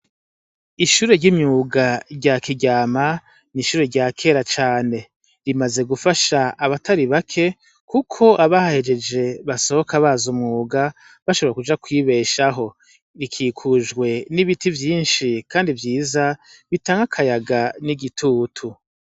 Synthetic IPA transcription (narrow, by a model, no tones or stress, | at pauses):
iʃuːɾe̞ɾɟimɲuːɡaɾɟakiɟaːma | niʃuːɾe̞ɾɟakʰe̞ːɾat͡ʃaːne̞ | ɾimaze̞ɡufaʃaːβatʰaɾiβakʰe̞ | kukʰo̞ʔaβahahe̞d͡ʒe̞d͡ʒe̞βaso̞hokaβazumŋuːɡa | βaʃoβɾakud͡ʒakwiβe̞ʃaɦo̞ | ɾikʰiːkʰuʒɡwe̞niβitivjiːnʃikʰaːndivjiːza | βitaːŋɡakʰajaɡaniɡitʰutʰu